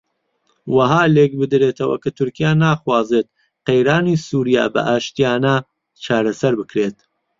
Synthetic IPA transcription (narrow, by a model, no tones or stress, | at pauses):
wɐɦaːlek̚bɨd̪ɾeːt̪ʰɐwɐ̰kʰat̪ʰʊɾkijaːnaːxwaːzet̪̚ | qejɾaːnisuːɾija̰ːbɐ̰ʔaːʃt̪ijaːnɐ | t͡ʃʰaːɾɐsɐɾbɨkɾeːt̪